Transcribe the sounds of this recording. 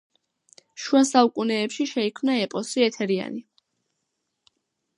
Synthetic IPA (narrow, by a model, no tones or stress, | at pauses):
ʃuasaukʼunɛːpʃiʃɛikʰmnaɛpʼɔsiɛt̪ʰɛɾia̰ni